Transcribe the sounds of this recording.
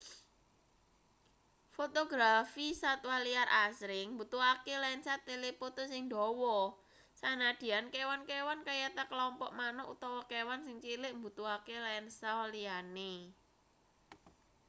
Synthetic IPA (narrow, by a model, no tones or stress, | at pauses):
fot̪oɡɾafisat̪waliaɾʔasɾɪŋmbut̪uakelaɪnsat̪elepot̪osɪŋd̪ɔwɔ | sanad̪̥i̤ankewankewankajat̪akəlɔmpɔ̰ʔmanɔʔṵt̪ɔwɔkewansɪŋt͡ʃilɪʔmbut̪uakelaɪnsaalijane